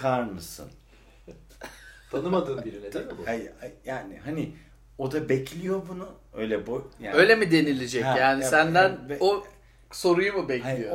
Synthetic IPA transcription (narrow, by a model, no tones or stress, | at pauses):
kʰaɾmɯsɯ̰n | t̪ʰanɯmad̪ɯːmbiɾinɛd̪ɛmbuaajaːnɪhɦanɪ | o̞d̪abɛcʰlʲijo̞bunu | ø̞̰jlʲɛbujaø̞jlʲemid̪e̞nilʲed͡ʒɛcːjaːnisænd̪æno | so̞ɾujumubɛchalijo